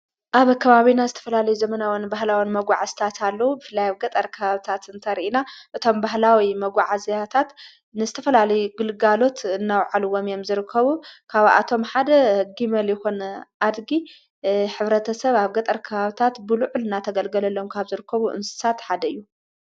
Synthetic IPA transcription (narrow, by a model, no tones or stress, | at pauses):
ʔaβkʰɐβaβinazɨt̪ʰɐ̥fɐlalɐjuzɐmɐnawinbahlawinmɐɡʷaʕast̪ʰat̪ʰalːɐwubɨfɨlːajaβɡɐt̪ʼɐɾkʰɐβaβit̪ʰat̪ɨnt̪ʰɐɾiʔinaʔɨt̪ʰo̞mbaɦlawimɐɡʷaʕazjat̪ʰat̪ | nɨzɨt̪ʰɐfɐlalɐjuɡɨlɨɡalo̞t̪ɨnːawʕalɨwomjomzɨɾɨkʰːɐβukʰaβʔa̰t̪ʰo̞mħad̪ɐhɡimɐljɪxonʔad̪ɡi | ħɨβɾɐt̪ʰɐsɐβaβɡɐt̪ʼɐɾkʰɐβaβit̪ʰat̪bɨluʕulɨnat̪ʰɐɡɐlɡɐlɐlːomkʰaβzɨɾɨkʰːɐβuʔɨ̰nsɨ̥sat̪ħad̪ɐɨjːu